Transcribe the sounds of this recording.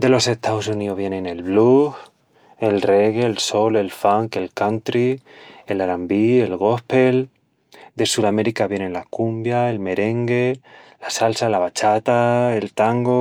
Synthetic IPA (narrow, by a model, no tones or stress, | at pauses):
d̪e̞lo̞se̞ht̪aosunioɦβje̞nẽne̞lβluh | e̞lre̞ɣeːlso̞le̞lfaŋke̞lkant̪ɾielaɾambielɣ̞o̞hpe̞l | d̪e̞suɾame̞ɾikaβje̞nenlakumbjae̞lme̞ɾe̞ŋɡelasalsalaβat͡ʃat̪ae̞lt̪aŋɡo